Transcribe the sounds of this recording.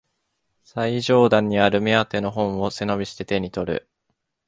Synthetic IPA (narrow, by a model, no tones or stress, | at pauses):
saiʑo̞ːd̪ãɲ̟ːiaɾɯ̟mʲeat̪e̞no̞ɦõ̞ɰ̃o̞se̞no̞bʲiɕi̥t̪e̞t̪e̞ɲ̟it̪o̞ɾɯ̟̰